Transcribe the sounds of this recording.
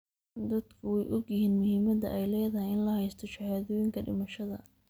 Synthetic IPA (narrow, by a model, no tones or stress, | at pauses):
d̪ɐd̪kʰʊwɛjʔɔɡjɪhiːnmʊhiːmɐd̪ɐ̰ʔɛjlɛːðɐhɪjɪnlɐhɛjst̪ʰɔt͡ʃɪhaːðɔːjɪŋkʰɐɖɪ̰mɐʃɐðɐ